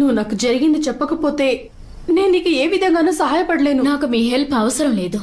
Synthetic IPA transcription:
nuʋːunaːkud͡ʒɐɾiɡind̪ɐt͡ʃɛpːɐkɐpo̞ːt̪e̞ː | ne̞ːnuniːkueːʋid̪ʱɐŋɡaːnuːsɐɦaːjɐpɐɽɐle̞ːnunaːkumiːɦelpʰɐʋɐsɐɾɐmle̞ːd̪u

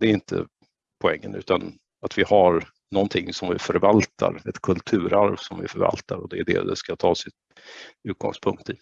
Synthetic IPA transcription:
d̪̥ɛæɾɪnt̪ʰə̰ | pʰɔɛŋːənʉ̟ːt̪an | at̪vɪhaɾ | nɔnt̪ʰɪŋːsɔmvɪfœɾvalt̪ʰa̰ɾɛt̪kʰɵlt̪ʰʉ̟ːɾaɾvsɔmvɪfœɾva̰lt̪aɾɔd̪ɛːɖɛ̰d̪ɛ̰skat̪ʰɑːsɪt̪ | ʉːt̪̚ɡɔ̰ŋspʰɵŋkt̪i

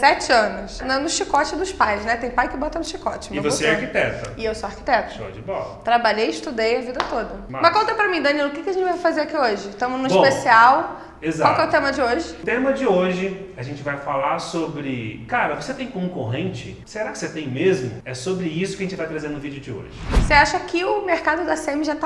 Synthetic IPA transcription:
sɛt͡ʃɪɐ̃nʊsnɐnʊʃikɔt͡ʃɪd̪ʊʃpajsnɛt̪ẽj̃pajkɪbɔt̪ɐnʊʃikɔt͡ʃɪmɪ̃voseɛaɾkit̪ɛt̪ɐɪewsoaɾki̥t̪ɛt̪ʊsod͡ʒɪbɔt̪ɾabaʎejɪʃt̪ud̪ejɐvid̪ɐt̪od̪ɐmmɐʃkõt̪ɐpɾɐmĩd̪ɐniilʊkɪkɪɐʒẽnt͡ʃɪvajfazeɾakioʒɪt̪ɐ̃mʊznʊiʃõpesiaw | ezwawkkɛʊt̪ẽmɐd͡ʒɪoʒɪt̪ẽmɐd͡ʒɪoʒɪaʒẽnt͡ʃɪvajfalaɾsobɾɪkaɾɐvoset̪ẽj̃kõŋkoɦẽnt͡ʃɪ | seɾakɪ̥set̪ẽj̃mezmʊɛsobɾɪisʊkɪɐʒẽt͡ʃɪvajt̪ɾazẽɾnʊvid͡ʒɪʊd͡ʒɪo̰ʒɪseaʃɐkʰɪʊmeɾkad̪ʊd̪ɐsẽmɪʒat̪a

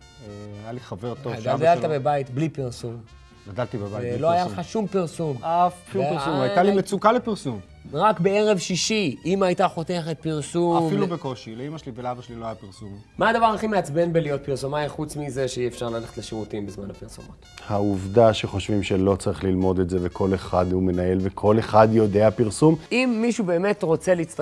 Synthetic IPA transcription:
eajaliχaveʁt̪ovɡadalt̪abebajit̪blipiʁsum | ɡadalt̪ibebajloajalχaʃumpiʁsumafiʁsumajt̪alimet͡sukalepiʁsum | ʁakbe̞e̞ʁe̞vʃiʃiimajt̪aχo̞teχet̪̚piʁsumfilubekoʃileimaʃelivelabaʃeliloajapiʁsum | maːdavaʁaχimeat͡sbe̞nbelijo̞t̚piʁsumaiχut͡smize̞ʃeiefʃaʁlaleχe̥tleʃeʁutimbizmanhapiʁsumo̰thauvdaʃe̞χo̞ʃvimʃe̞lo̞t͡saʁiχlilmo̞detze̞ve̞kʰo̞leχadhume̞nae̞lvekʰo̞le̞χad̪jo̞deapiʁsumimːiʃube̞ːme̞tʁo̞t͡seliit͡st

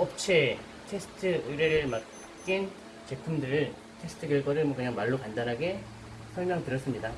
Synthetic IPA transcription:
ʌp̚t͡ɕʰe | tʰe̞sʰɯ̥tʰɯɯɾeɾɯɭmak̚ | k͈in | t͡ɕe̞pʰumdɯɾɯɭ | tʰe̞s͈ʰɯ̥tʰɯɡjʌɭɡwaɾɯɭmwʌkɯɲaŋmaɭːokandanɦaɡe̞ | sʰʌɭmjʌŋtɯɾjʌs͈ɯmɲida

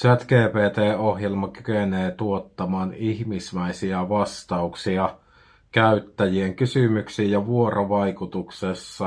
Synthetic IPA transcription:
sæt̪keːpeːt̪eːohjelmɑkykeneːt̪uot̪ːɑmɑːniçmisʋæisiæʋɑst̪ɑuksiɑ | kæyt̪ːæjieŋkysymyksiːjjɑʋuorʔoʋɑikut̪uksesːɑ

